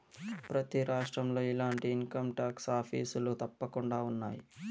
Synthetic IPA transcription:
pɾɐt̪iɾaːʂʈɾɐmlo̞ːilaːɳʈiːŋkɐmʈaːksaːpʰḭːsulut̪ɐpːɐkuɳɖaːunːaːjḭ

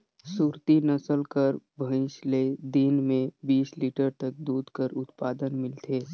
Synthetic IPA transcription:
suːɾt̪inɐsəlkəɾbʱə̃ɪsled̪inmẽbiːsliːʈəɾt̪ək̚d̪uːd̪kəɾʊt̪paːd̪ənmɪlt̪ʰeː

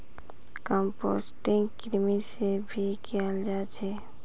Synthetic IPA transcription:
kə̃mpo̰ːsʈɪ̃ŋɡkɾmisebʱikʰɛld͡ʒaːt͡ʃʰe

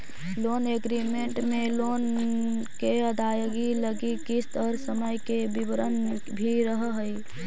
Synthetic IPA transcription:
loːneɡɾimeɳʈmeloːn | keəd̪ʱajɡiləɡikist̪əɾsəməjkebibəɾən | bʱiɾəɦɦəj

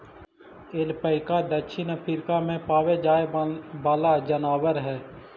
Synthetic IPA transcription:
elpəɪkaːd̪əʃʰɪnəpʰiɾkaːmẽːpaːʋeːd͡ʒaːebaːlaːd͡ʒənaːʋəɾɦɛː

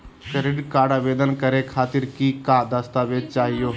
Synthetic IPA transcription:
seɾɪɖkaːɽaʋeːd̪ənkəɾekʰaːt̪ɪɾkikad̪əst̪aːʋed͡ʒt͡ʃaːɦijo

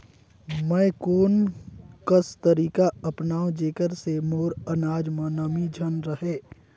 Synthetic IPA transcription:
mɛ̃ːkoːnkəst̪əɾiːkaɐpnaːõd͡ʒeːkəɾsemoːɾənaːd͡ʒmãːnaːmid͡ʒʱənɾəɦeː

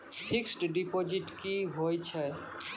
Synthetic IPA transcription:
pʰiksʈɖipod͡ʒiʈkiɦojt͡ʃʰɛ

